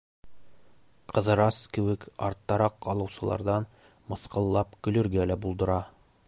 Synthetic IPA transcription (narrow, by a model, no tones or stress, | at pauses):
qʰɤ̆ðɤ̆ɾɑskɘ̆wɘkɒ̰ɾt̪ːɑɾɑqːɒlˠɤ̆wsɤ̆lˠɑ̰ɾðɑn | mɤ̆θqɤ̆lˠːɑpkɵ̆lɵ̆ɾɡælæbulˠd̪ɤ̆ɾɑ